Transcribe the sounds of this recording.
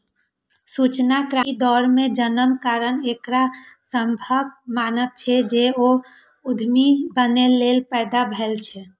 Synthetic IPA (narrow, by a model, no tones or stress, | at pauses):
sut͡ʃnakɾad̪ɔɾmẽd͡ʒənəmkaɾənekɾasəmbʱəɡ̚manəb̚t͡ʃʰɛd͡ʒeo | ud̪ʱmibənelelpəɪd̪abʱɛlt͡ʃʰɛ